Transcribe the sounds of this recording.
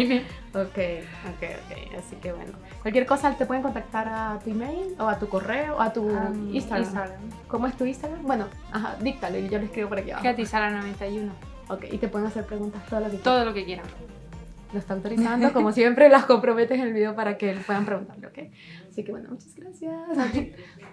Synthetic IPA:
me | okej | okḛjo̰kḛja̰sike̞βwḛno̰ | kwalkjeɾko̞sat̪ep̬we̞ðeko̞nt̪ak̚t̪aɾat̪uimejlo̞at̪uko̞re̞oat̪uist̪aɾamaɾamko̞moe̞st̪uinst̪aɣɾambwe̞no̞ | axa̰d̪ik̚t̪aloiʝo̞loeskɾiβo̞poɾakia̰βa̰at̪isalanoβent̪ajuno | okḛjʔḭt̪epwe̞ðeŋase̞ɾpɾe̞ɣunt̪ast̪oðaloket̪oðolokekjeɾaŋ | loest̪awt̪oɾisand̪okomosje̞mpɾelasko̞mpɾo̞me̞t̪esenelβiðe̞opaɾake̞lepwe̞ðampɾeɣunt̪aɾleokej | asikewe̞nomut͡ʃazɡɾasjas

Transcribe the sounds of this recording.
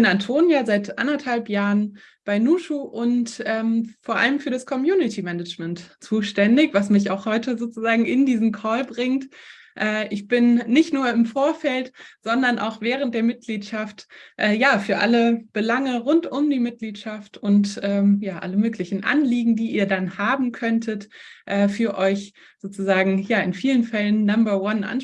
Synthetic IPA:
ɪb̥ɪnantʰoːnjaːzaɪtʔa̰ndɐthalpjaːʁən | b̥aɪnuːʃuːʔʊntʔɛːmfoːɐʔa̰ləmfyːɐdaskʰɔmjuːnɪtʰimɛnəd͡ʒmɛntt͡suːʃtɛndɪçv̥asmɪçaʊxhɔʏtəzoːt͡suzaːɡŋ̩ɪndiːzn̩kʰɔːlbʁɪŋt | ʔɛːʔɪçb̥ɪnːɪçtnuːɐɪmfoːɐfɛltz̥ɔndɐnʔa̰ʊxv̥ɛːʁ̞ənt̚d̥eːɐmɪt̚ɡ̥liːtʃaftʔɛːjaːfyːɐʔa̰ləb̥əlaŋəʁʊntʊmdiːmɪt̚ɡ̥liːtʃaftʊntʔɛːjaːʔa̰ləmøːklɪçn̩ʔa̰nliːɡŋ̩diːiːɐdanhaːbm̩kʰœntʰətʔɛːfyːɐʔɔʏç | z̥oːt͡suzaːɡŋ̩jaːɪnfiːlənfɛlənːambɐwanʔa̰n

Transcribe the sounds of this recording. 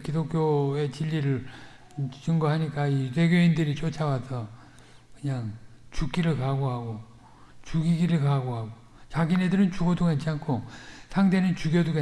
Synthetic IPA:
kidokʰjoe̞t͡ɕiʎːiɾɯɭ | t͡ɕɯŋɡoɦaɲik͈aiɾeɡjoindɯɾit͡ɕ͈ot͡ɕʰawasʰʌ | kɯɲaŋt͡ɕuk͈̚iɾɯɭkaɡoɦaɡo | t͡ɕuɡiɡiɾɯɭkaɡoɦaɡo | t͡ɕaɡine̞dɯɾɯnt͡ɕuɡodukant͡ɕʰiankʰosʰaŋde̞nɯnt͡ɕuɡjoduɡa

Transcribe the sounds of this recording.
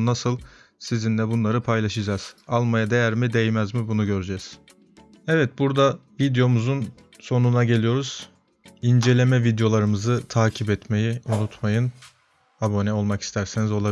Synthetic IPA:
nasɯlˠ | sizinlʲɛbunlˠaɾɯpʰajlˠaʃɯd͡ʒaz̥alˠmajad̪e̞jæɾmid̪e̞jmæzmibunuɟø̞ɾyd͡ʒɛz̥ | ɛvɛt̪̚buɾd̪avid̪jo̞muzun | so̞nunaɟe̞lʲijo̞ɾuz̥ | ind͡ʒe̞lʲe̞mɛvid̪jo̞lˠaɾɯmɯzɯt̪ʰaːcʰipɛt̪me̞jiunut̪ʰmajɯn | abo̞nɛo̞lˠmaki̥st̪ʰæɾsenizo̞lˠa

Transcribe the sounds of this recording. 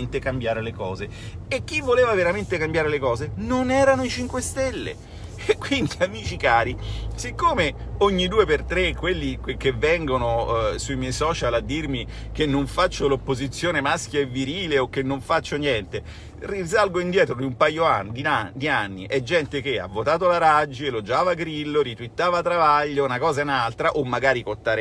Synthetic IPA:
nt̪ekambjaːɾelekɔːze | ekːivːoleːvaveɾament̪ekambjaːɾelekɔːzenonɛːɾanoit͡ʃiŋkwest̪elːḛ | ekːwind̪iamiːt͡ʃikaːɾisekːoːme | oɲːid̪uːepert̪ɾekːwelːikkːevːɛŋɡonosuimjɛjsɔːt͡ʃalad̪ːirmi | k̟enːoɱfat͡ʃːolopːozit̪sːjoːnemaskjaevːiɾiːleokːenːoɱfat͡ʃːonjɛnt̪e | rizalɡoind̪jɛːt̪ɾod̪iumpajoand̪iad̪ianːiʔɛd͡ʒːɛnt̪ek̟ea̰vːot̪aːt̪̬olaɾad͡ʒːielod͡ʒaːvaɡɾilːoɾit̪wit̪ːaːvat̪ɾavaʎːounakɔːzainalt̪ɾaʔomːaɡaːɾikot̪ːaːɾe

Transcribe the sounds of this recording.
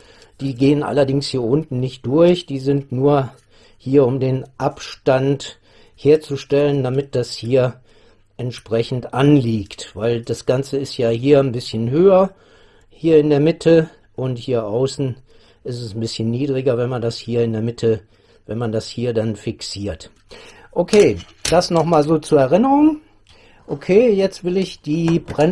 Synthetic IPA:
d̥iːɡeːənʔa̰lɐdɪŋshiːɐʔʊntn̩nɪçt̚d̥ʊɐçd̥iːzɪntnuːɐ | hiːɐʊmdeːnʔapʃtant | heːɐt͡suʃtɛləndamɪt̚d̥ashiːɐ | ʔɛntʃpʁ̥ɛçn̩tʔanliːktv̥aɪldasɡ̥ant͡səɪstjaːɦiːɐnbɪsçənɦøːɐ | hiːɐɪndeːɐmɪtʰə | ʔʊnthiːɐʔaʊsn̩ | ʔɪstɛsn̩bɪsçənːiːdʁɪɡɐvɛnmandashiːɐɪndeːɐmɪtʰə | vɛnmandashiːɐdanfɪksiːɐt | ʔokʰeː | d̥asnɔχmaːlzoːt͡suːɐɛʁɪnəʁʊŋ | ʔokʰeːjɛt͡stv̥ɪlɪçd̥iːbʁɛ

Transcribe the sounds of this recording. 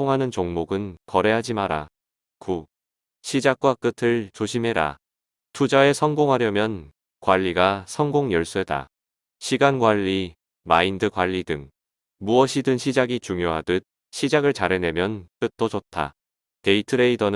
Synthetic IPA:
oŋɦanɯnt͡ɕoŋmoɡɯnkʌɾe̞ɦad͡ʑimaɾa̰ | ku | ɕʰid͡ʑak̚k͈wak͈ɯtʰɯɭt͡ɕoɕʰimɦe̞ɾa̰ | tʰud͡ʑae̞sʰʌŋɡoŋɦaɾjʌmjʌn | kwaʎːiɡasʰʌŋɡoŋjʌɭs͈ueda̰ | ɕʰiɡanɡwaʎːi | maindɯkwaʎːidɯŋ | muʌɕʰidɯnɕʰid͡ʑaɡit͡ɕuŋjoɦadɯt̚ | ɕʰid͡ʑaɡɯɭt͡ɕaɾɦe̞ne̞mjʌnt͈ɯt͈ot͡ɕotʰa̰ | te̞itʰɯɾe̞idʌn

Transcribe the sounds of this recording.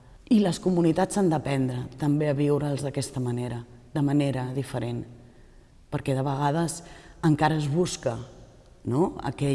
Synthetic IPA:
iləskumunit̪at͡sand̪əpɛnd̪ɾət̪əmbeəβiwɾəːlˠzðəkɛst̪əməneɾəd̪əməneɾəðifəɾen | pəɾkɛðəβ̞əɣ̞að̞əsəŋkaɾəːzβuskə | noə̰kɛ

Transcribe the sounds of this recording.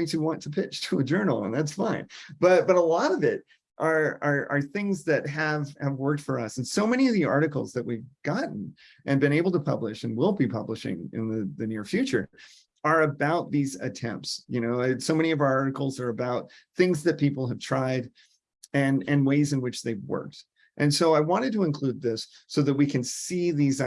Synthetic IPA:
iɾɨwɑ̃ntʰəpʰɪt͡ʃtʰəəd͡ʒɜ˞nl̩ˠə̰̃nðætsfãɪ̃nb̥ʌt̚b̥ʌɾəlɔɾʌvɪt̚ | ʔə˞ə˞ə̰˞θɪ̃ŋzðɨt̚ɦɨv̥ɨvwɜ˞k̚tfə˞ʌsn̩soʊmɛñiʌvðiɑ̰ɹɾɨkl̩ˠzðɨt̚wivɡ̥ɑʔn̩ | ʔɨ̃nbɨ̃ñeɪbl̩ˠtʰəpʰʌblɨʃɨ̃nwɪlˠbipʰʌbləʃɪ̰̃ŋɪ̰̃nðɨðɨnɪɹfjʉt͡ʃə̰˞ | ə˞ɨbaʊt̪̚ðizɨ̰tʰɛ̰̃mp̚tsjɨñoʊɨsoʊmɛɾ̃iʌvaə˞ɑɹɾɨkl̩ˠzə˞ɨbaʊt̪̚ | θɪ̃ŋzðɨt̚pʰipl̩ˠɨv̥tʰɹ̥aɪɾ | ɨ̃nɨ̃nweɪzɨ̃nwɨt͡ʃðeɪvwɜ̰˞k̚t | ʔɨ̃nsoʊaɪwɑ̃ñɨd̚təə̃nkʰl̥ʉd̪̚ðɪsː | oʊðɨt̚wikʰɨ̃nsiðiz

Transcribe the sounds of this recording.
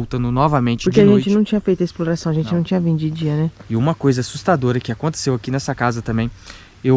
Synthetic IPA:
owt̪ɐ̃nd̪ʊnɔvɐmẽt͡ʃɪpoɾkkeaʒẽnt͡ʃɪnɐ̃w̃t͡ʃĩɲɐfejt̪ʊɐɪsploɾasɐ̃w̃ɐʒẽnt͡ʃɪnɐ̃w̃t͡ʃĩɲɐvĩd̪ʊd͡ʒɪd͡ʒiɐnɛɪũmɐkojzɐasust̪ad̪oɾɐkɪakõnt̪e̥sewakinɛsɐkazɐt̪ɐ̃mbẽj̃ | ew

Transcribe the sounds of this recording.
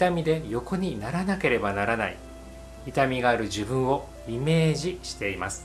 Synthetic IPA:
it̪amʲid̪e̞jo̞ko̞ɲ̟inaɾanake̞ɾe̞banaɾana̰ḭ | it̪amʲiɡaːɾɯ̟ʑibɯ̟̃ɰ̃o̞ | ime̞ːʑiɕi̥t̪e̞imasɨ̥

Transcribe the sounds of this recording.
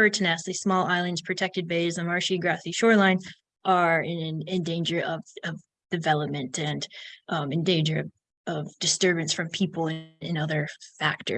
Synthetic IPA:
ɜ˞tʰɨnæsɨsmɔlˠaɪlˠɨ̃ndz̥pʰɹ̥ɨtʰɛk̚tɨd̚beɪzɨmɑɹʃiɡɹæθiʃɔɹlãɪ̃n | ʔə˞ɪ̃nɨ̃nɨ̃ndẽɪ̃nd͡ʒə˞ʔʌvʌv | d̥ɨvɛlˠəp̚mɨ̃ntʰɨ̃n | ɨ̃ndẽɪ̃nd͡ʒə˞ʌv | ʌvd̥ɨstɜ˞bɨ̃nsfɹʌ̃mpʰipl̩ˠɨɨ̃nʌðə˞fæk̚tə̰˞

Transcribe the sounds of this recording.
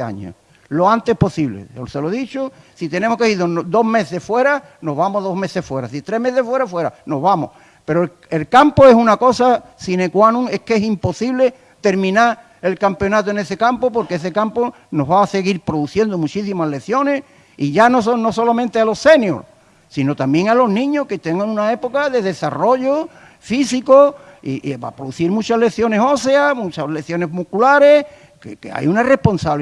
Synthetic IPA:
a̰ɲo̰ | loant̪e̞hpo̞siβlḛseloðit͡ʃosit̪enemohkeiðod̪o̞ɦme̞θe̞hfwe̞ɾa | noɦβamoðo̞ɦme̞θe̞hfwe̞ɾasit̪ɾe̞ɦmeθefwe̞ɾafwe̞ɾanoɦβamo̰h | pe̞ɾo | elkampoe̞sunako̞sasinekwanũŋe̞hkesimpo̞siβle̞ | t̪e̞ɾmĩnaɾ | e̞lkampeo̞nat̪̬oene̞se̞kampopo̞ɾkees̬ekampo | no̞ɦβaːse̞ɣiɾpɾoðuθje̞nd̪omut͡ʃisimaɦle̞θjo̞ne̞s | iʝanosonoso̞lamẽnt̪ealo̞se̞njo̰ɾ | sino̞t̪ambje̞ŋalo̞ɦnĩɲohket̪eŋɡaŋunae̞po̞kaðe̞ðe̞saro̞ʝo | fisiko | ḭʔβa̰pɾoðuθiɾmũt͡ʃahle̞θjo̞neso̞seamũt͡ʃale̞θjo̞ne̞zmukulaɾe̞ | kekḛa̰junare̞hpo̞nsaβ

